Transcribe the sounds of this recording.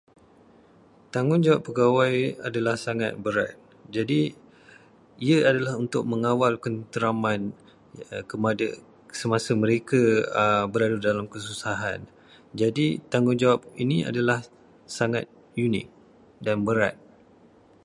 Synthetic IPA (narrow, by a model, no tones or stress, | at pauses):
t̪aŋʊnd͡ʒawapːəɡawaja̰dalahsaŋa̰t̪̚bəɾa̰t̪̚ | d͡ʒadi | iəadalahunt̪ʊk̚mə̃ŋawalkənt̪əɾaman | kəmadə | səmasəmə̃ɾekabəɾadudalamkəs̬usaɦan | d͡ʒadit̪aŋʊnd͡ʒawapinia̰dalah | saŋat̪̚ | junɪ̰k̚ | danbəɾa̰t̪̚